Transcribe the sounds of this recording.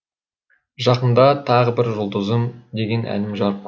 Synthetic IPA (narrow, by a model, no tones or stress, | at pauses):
ʒɑqənd̪ɑt̪ʰɑʁəbɪɾʒʊlˠd̪əzəmd̪e̞ɡʲe̞nʔæ̰nɪmʒɑɾəp̚qʰ